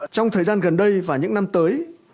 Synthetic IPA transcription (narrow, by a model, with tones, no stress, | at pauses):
t͡ɕɔ˧wŋ͡mt̪ʰəː˨˩jzaː˧nɣə˨˩nɗə˧jvaː˨˩ɲɨ̰˧˥ŋna˧mt̪əː˨˦j